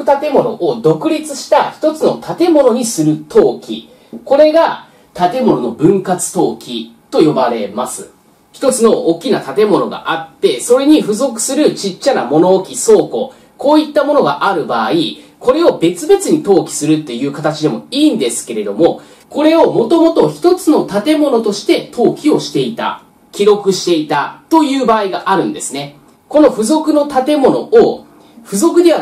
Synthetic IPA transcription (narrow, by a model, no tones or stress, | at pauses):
t̪at̪e̞mo̞no̞̰ʔod̪o̞kɯ̟ɾʲit͡sɨɕi̥t̪açi̥t̪o̞t͡sɨno̞t̪at̪e̞mo̞no̞ɲ̟isɨɾɯ̟t̪ʰo̞ːkʲḭ | ko̞ɾe̞ɡa | t̪at̪e̞mo̞no̞no̞bɯ̟̃ŋkat͡sɨ̥t̪o̞ːkʲit̪o̞jo̞baɾe̞masɨ̰ | çi̥t̪o̞t͡sɨno̞oːkʲːinat̪at̪e̞mo̞no̞ɡa̰ʔat̪ːe̞so̞ɾe̞ɲ̟iɸɯ̟zo̞kɯ̟̥sɨɾɯ̟t͡ɕit͡ɕːana̰mo̞no̞ːkʲiso̞ːko̞ | ko̞ːit̪ːamo̞no̞ɡa̰ʔaɾɯ̟baːi | ko̞ɾe̞o̞be̞t͡sɨbe̞t͡sɨɲ̟it̪o̞ːkʲi̥sɨɾɯ̟t̪ːe̞jɯ̟ːkat̪at͡ɕid̪e̞moiːnd̪e̞sɨ̥ke̞ɾe̞d̪o̞mo̞ | ko̞ɾe̞o̞mo̞t̪o̞mo̞t̪o̞çi̥t̪o̞t͡sɨno̞t̪at̪e̞mo̞no̞t̪o̞ɕi̥t̪e̞t̪o̞ːkʲio̞ɕi̥t̪e̞it̪a̰ | kʲiɾo̞kɯ̟ɕi̥t̪e̞it̪at̪o̞jɯ̟ːbaːiɡaʔaɾɯ̟̃nd̪e̞sɨne̞ | ko̞no̞ɸɯ̟zo̞kɯ̟no̞t̪at̪e̞mo̞no̞̰o | ɸɯ̟zo̞kɯ̟d̪e̞βa